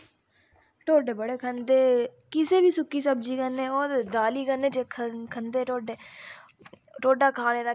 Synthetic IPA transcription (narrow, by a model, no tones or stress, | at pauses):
ʈoːɖeːbəɽeːkʰənd̪eːkɪseːbʱiːsʊkːiːsəbd͡ʒiːkənːẽːɔːɾd̪aːliːkənẽt͡ʃeːkʰkʰənd̪eːʈoːɖeː | ʈoːɖaːkʰaːneːɾa